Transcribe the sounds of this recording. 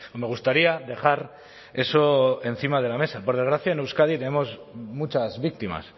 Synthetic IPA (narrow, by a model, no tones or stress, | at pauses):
me̞ɣ̞ust̪aɾiaðe̞xaɾ | e̞so̞e̞n̟θimað̞e̞lame̞sapo̞ɾðeɣ̞ɾaθjaenewskað̞it̪e̞nemo̞smut͡ʃazβik̚t̪ima̰s